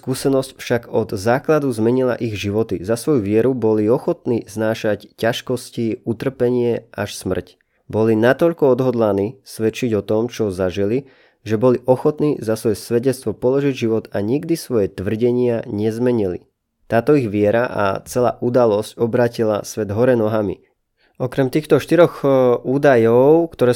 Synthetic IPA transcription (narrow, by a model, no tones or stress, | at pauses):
skusɛnɔscfʃaɡɔd̪zaːklad̪uzmɛɲila̰ʔiɣʒiʋɔt̪izasʋɔjuʋɪɛɾubɔliɔxɔt̪niːznaːʃaccaʃkɔsciut̪r̩pɛɲɪɛaʃsmr̩c | bɔlinat̪ɔʎkɔɔd̪ɦɔd̪laniːsʋɛt͡ʃiɟɔt̪ɔmt͡ʃɔzaʒili | ʒɛbɔliʔɔxɔt̪niːzasʋɔjɛsʋɛɟɛt͡st̪ʋɔpɔlɔʒiɟʒiʋɔt̪aɲiɡd̪isʋɔjɛt̪ʋr̩ɟɛɲɪaɲɛzmɛɲilḭ | t̪aːt̪ɔiɣʋɪɛɾaʔa̰t͡sɛla̰ːʔud̪alɔscɔbɾaːcila̰sʋɛd̪ɦɔɾɛnɔɦamḭ | ɔkɾɛmt̪iːxt̪ɔʃt̪iɾɔɣuːd̪ajɔʊkt̪ɔɾɛː